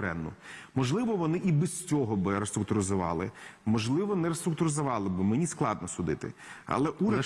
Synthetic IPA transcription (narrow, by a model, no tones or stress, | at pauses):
ɾɛ̰nːʊmɔʒlˠɪʋɔʋɔnɪʔibɛst͡sʲɔɦɔbɪɾest̪ɾʊk̚t̪ʊɾɪzʊʋɑ̰lˠɪ̰mɔʒlˠɪʋɔnɛɾest̪ɾʊk̚t̪ʊɾɪzɐʋɑlˠɪbɪmenʲisklˠɑ̰d̪̚nɔsʊd̪ɪt̪ɪ̰ɐ̰lˠɛʔuɾʲɐ